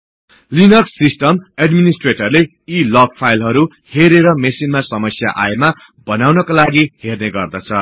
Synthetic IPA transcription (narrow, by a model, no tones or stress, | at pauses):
linʌrssisʈʌmeɖminisʈreʈʌrle | ilʌk̚pʰajlɦʌɾu | heɾeɾʌmesinmasʌmʌsja̰ʔa̰ema | bʌnawnʌkolaɡiherneɡʌrd̪ʌt͡sʰʌ